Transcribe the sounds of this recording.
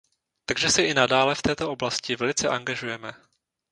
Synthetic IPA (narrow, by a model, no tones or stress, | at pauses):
t̪aɡʒɛsɛʔɪnadaːlɛft̪ɛːt̪o̞ʔo̞blascɪvɛlɪt͡sɛʔaŋɡaʒujɛmɛ